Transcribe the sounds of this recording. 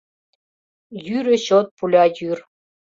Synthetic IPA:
jyɾʲə̆ɕot̪̚pulʲɑjyr

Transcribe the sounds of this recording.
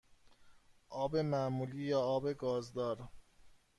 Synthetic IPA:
ʔɒːbe̞mæmuːliːjɒːbe̞ɡɒːzd̪ɒːɾ

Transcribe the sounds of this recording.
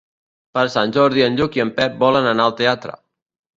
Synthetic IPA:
pəɾsanʲʒɔɾðiənʎukiəmpɛp̚bɔlənanaəlˠt̪eat̪ɾə̰

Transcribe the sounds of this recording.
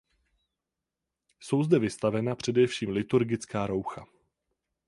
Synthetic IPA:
so̞wzdɛvɪst̪avɛnapr̝̥ɛdɛfʃiːmlɪt̪uɾɡɪt͡skaːɾo̞wxa

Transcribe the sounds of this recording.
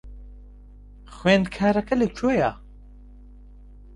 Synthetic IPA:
xweːnkʰaːɾɐkʰɐlət͡ʃʰoːja

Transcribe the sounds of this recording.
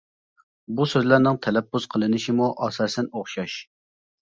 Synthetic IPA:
busøzlæɾnɪŋt̪ʰɛlɛpːuz̥qʰəlˠɨnɪʃimuʔɑsɑːsɛnoχʃɑʃ

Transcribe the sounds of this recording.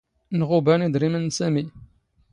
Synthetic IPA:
nʁʊbænid̪ɾimənsæmi

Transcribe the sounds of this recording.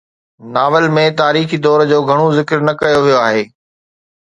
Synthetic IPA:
naːʋəlmẽt̪aːɾiːxid̪ɔːɾd͡ʑoːɡʱɐɽ̃ozɪkɾnɐkɐjoʋijoaːɦeː

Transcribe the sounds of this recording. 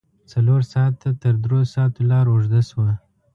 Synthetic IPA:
t͡saloɾsɑt̪ːat̪əɾd̪ɾosɑt̪olɑɾʊʐd̪aswa

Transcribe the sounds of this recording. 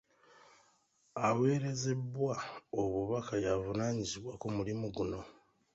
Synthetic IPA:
awe̞ːɾe̞ze̞βwaoβuβakajavunaːɲiziβwakumulimuɡuno̞

